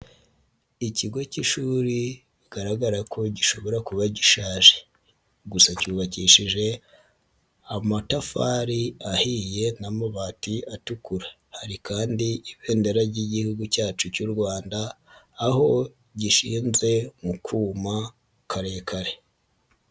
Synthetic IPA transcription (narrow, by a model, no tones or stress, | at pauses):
iciɡo̞ciʃuːɾi | iɡaɾaɡaɾakʰo̞ɟiʃo̞βo̞ɾakuβaɟiʃaːʒe̥ | ɡusacuːβaciʃiʒe̞ | amatafaɾiahije̞namaβaːtiatukuɾa | haɾikaːndiiβe̞ːndeɾaɾɟiɟihuɡucaːt͡ʃucuɾɡwaːndaː | ho̞ | ɟiʃiːnze̞mukʰuːma | kʰaɾe̞ːkʰaɾe̞